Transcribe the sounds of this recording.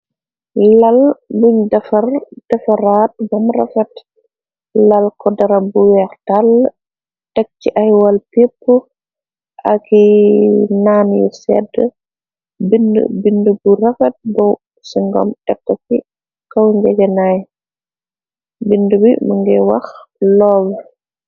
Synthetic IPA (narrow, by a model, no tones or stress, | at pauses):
lalbuɲdɐfɐrd̥ɛfaɾat̚bɔmra̰fɐt | lalkɔdɐɾabuwɛɾtal | tɛk̚t͡ʃiʔajwalpipːu | ʔaki | naːnjṵsɛ̰də | bind̰binduburɐfɐt̚bɔw | siŋɡɔ̰mtɛkːɔki | kawŋɡɛɡɛnaj | bindubimuŋɡɛwa̰xlɔːb